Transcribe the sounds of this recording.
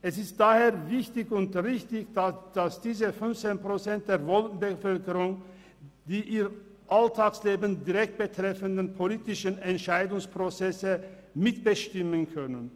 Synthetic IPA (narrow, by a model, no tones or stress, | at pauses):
ʔɛsɪst̚d̥aːheːɐvɪçtɪçʊntʁɪçtɪçdad̥asd̥iːzəfʏnft͡seːnpʁ̥ot͡sɛnt̚d̥eːɐvɔln̩bəfœlkəʁʊŋ | d̥iːʔiːʁ | ʔaltʰaːksleːbən̩diʁɛk̚t̚b̥ətʁ̥ɛfəndənpʰoliːtɪʃənɛntʃaɪdʊŋspʁ̥ot͡sɛsəmɪtb̥əʃtɪmənkʰœnən